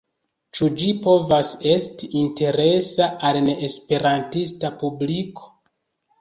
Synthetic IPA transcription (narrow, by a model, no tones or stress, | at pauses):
t͡ʃud͡ʒipo̞vase̞stiʔinte̞ɾe̞saʔalne̞ʔːspe̞ɾantistapubliko̥